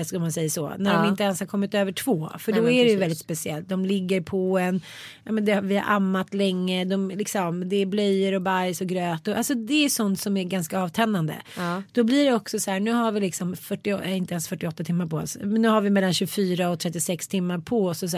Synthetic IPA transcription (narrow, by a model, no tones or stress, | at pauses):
ɛskɯlmansɛjːasɔ̰ːnæɖɔmɪnt̪əɛnshaɾkʰɔmːɪt̪øːvəʈʰv̥oːfœɖɔæɾɛjɵvɛld̪ɪt̪spɛsɪɛ̰lt̪̚d̪ɔmlɪɡːəɾpʰɔɛn | jjɑ̰ːmɛnd̪ɛhavɪha̰ɾʔa̰mːat̪lɛŋːəd̪ɔmlɪksɔmd̪ɛːɾblœjːəɾɔbajsɔɡɾøːt̪ɔʔa̰lsɔd̪ɛːʂɔnt̪sɔmæɾɡanskaɑːvt̪ʰɛnːand̪ə̰d̪̥ɔblɪɖɛɔksɔshæːɳʉ̟ːɦaɾvɪlɪksɔmfœʈːɪɛɪnt̪əɛnsfœʈːɪɔt̪ːat̪ʰɪmːaɾpɔɛ̰nsmɛnːʉ̟ːɦaɾvɪmɛlːanɕʉɡfyːɾaɔt̪ʰɾɛt̪ːɪsɛkst̪ʰɪmːaɾpʰɔsɔs